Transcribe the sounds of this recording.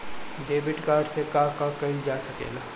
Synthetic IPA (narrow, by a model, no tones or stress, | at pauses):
ɖeːbɪʈkaːɾɖsekaːkãkɐĩd͡ʒaːsɐkḛːlaː